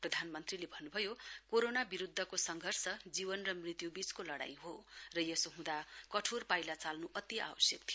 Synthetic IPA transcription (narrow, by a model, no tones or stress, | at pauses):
prʌd̪ʱanmʌnt̪rilebʱʌnːubʱʌjokoɾonabiɾud̪ʱːʌkosʌŋɡʱʌrsʌd͡zibʌnrʌmrit̪jubit͡skolʌɽa̰j̃ɦorʌjʌsoɦũd̪akʌʈʰorpajlat͡salnuʔʌt̪ia̰wʌsjʌkt̪ʰij